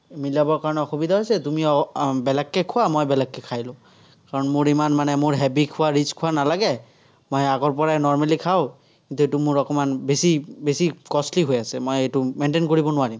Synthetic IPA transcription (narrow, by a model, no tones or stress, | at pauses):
milabɔɹkaɹɔnɛɔxubid̪ʱaɦojsɛtumiɔbɛlakːɛkʰʊwamojbɛlakːɛkʰajlʊ̃ | kaɹɔnmʊɹimanmanɛmʊɹɦɛbikʰʊwaɹit͡ʃkʰʊwanalaɡɛ | mojaɡɔɹpɔɹajnɔɹmalikʰaʊ | kint̪uetumʊɹɔkɔmanbesibesikɔsliɦojasɛmojetʊmɛntenkoɹibɔnʊwaɹim